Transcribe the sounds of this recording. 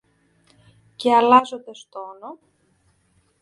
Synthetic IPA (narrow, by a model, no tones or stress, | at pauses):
ceɐlɐzo̞nd̪e̞st̪ono